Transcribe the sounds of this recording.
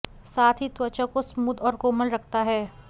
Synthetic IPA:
saːt̪ʰɦit̪wɐt͡ʃəkosmuːd̪ɔːɾkoːməlɾɐkʰt̪aɦɛː

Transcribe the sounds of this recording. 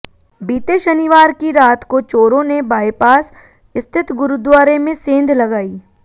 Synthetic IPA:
biːt̪eʃənɪʋaːɾkiɾaːt̪kot͡ʃoːɾõnebaːjpaːs | ɪst̪ʰɪt̪ɡʊɾud̪ʋaːɾemẽsẽːnd̪ʱlɐɡaːiː

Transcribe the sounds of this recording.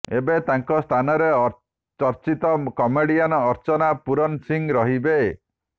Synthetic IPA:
ebet̪aŋkɔst̪ʰanɔɾeɔ | t͡ʃɔɾt͡ʃit̪ɔkɔmeɽianɔːɾt͡ʃɔnapuɾɔnsiŋɾɔɦibe

